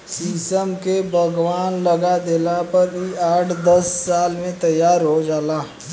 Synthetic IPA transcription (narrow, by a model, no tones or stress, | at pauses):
siːsəmkebʱəɡwaːnləɡad̪eːlapɐɾiaːʈʰd̪ɐsːaːlmẽt̪ɐjːaːɾɦod͡ʒaːlaː